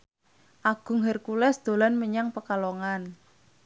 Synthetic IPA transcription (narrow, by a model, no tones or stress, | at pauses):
ʔaɡ̥ʊ̤ŋɦərkulɛsd̪̥o̤lanməɲaŋpəkaloŋan